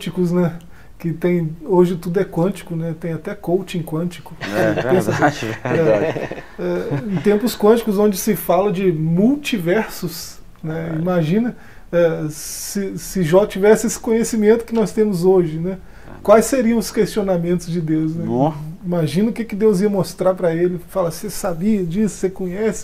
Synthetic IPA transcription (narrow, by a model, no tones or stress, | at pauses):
t͡ʃikʊsnɛ | kɪt̪ẽj̃oʒɪt̪ud̪ʊɛkwɐ̃t͡ʃi̥kʊnɛt̪ẽj̃at̪ɛkowt͡ʃẽkwɐ̃t͡ʃi̥kʊpẽsɐsɛ | ɛẽt̪ẽmpʊskwɐ̃t͡ʃi̥kʊzõd͡ʒɪsɪfalɐd͡ʒɪmuwt͡ʃivɛɾsʊs | nɛimaʒĩnɐ | ɛsɪsɪʒɔt͡ʃivɛsɪesɪ̥kõɲesimẽnt̪ʊkɪnɔst̪ẽmʊzoʒɪnɛ | kwajsːeɾiɐ̃w̃ʊskeʃt͡ʃionamẽnt̪ʊzd͡ʒɪd̪ews̬nɛimaʒĩnɐʊkɪkɪd̪ewziɐmost̪ɾaɾpɾɐelɪfalasesabiɐd͡ʒisʊ̥sekõɲɛsɪ̥